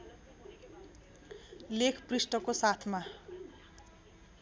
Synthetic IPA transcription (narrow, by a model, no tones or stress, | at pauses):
lekʰprisʈʌkosat̪ʰma